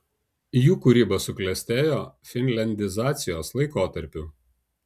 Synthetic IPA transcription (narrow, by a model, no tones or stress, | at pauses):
juːkʊɾʲiːbɐsʊklʲɛsʲt̪ʲeːjoːfʲɪnʲlʲɛnʲd̪ʲɪzɑːt̪sʲɪjoːslˠɐɪkoːt̪ɐɾʲpʲʊː